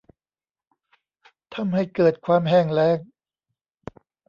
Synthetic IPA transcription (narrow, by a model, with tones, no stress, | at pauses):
t̪ʰa˧˥mha˥˩jkɤː˨˩t̪̚kʰwaː˧mɦɛː˥˩ŋlɛː˦˥˩ŋ̚